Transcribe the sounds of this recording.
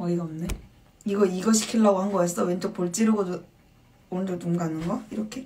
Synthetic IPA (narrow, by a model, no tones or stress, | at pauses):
mʌiɡaʌmne | iɡʌiɡʌɕʰi̥kʰiɭːaɡohaŋɡʌas͈ʰʌwent͡ɕok̚poɭt͡ɕ͈iɾɯɡodo | ondonomɡanɯnɡʌiɾʌkʰe̞